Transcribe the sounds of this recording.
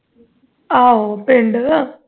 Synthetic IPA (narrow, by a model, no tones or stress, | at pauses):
aːopeɳɖɨ